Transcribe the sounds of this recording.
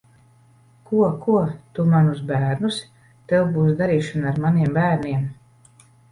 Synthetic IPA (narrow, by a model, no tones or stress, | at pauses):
kuɔkuɔt̪umanus̬bæːɾnus | t̪ɛwbuːs̬d̪aɾiːʃanaɾmaniɛmbæːɾniɛm